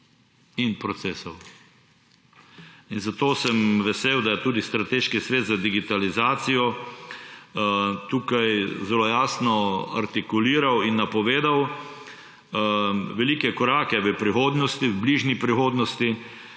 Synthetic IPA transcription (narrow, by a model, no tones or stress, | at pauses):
inpɾɔt̪seːsɔw | inzat̪oːsɛmʋɛseːwd̪ajɛt̪uːd̪ist̪ɾat̪eːʃkisʋeːt̪zad̪iɡit̪alizaːt̪sijɔ | t̪uːkajzɛlojaːsnɔa̰ɾt̪ikuliːɾawinːapɔʋeːd̪aw | ʋɛlikɛkɔɾaːkɛʋəpɾixoːd̪nɔst̪iwbliːʒnipɾixoːd̪nɔst̪i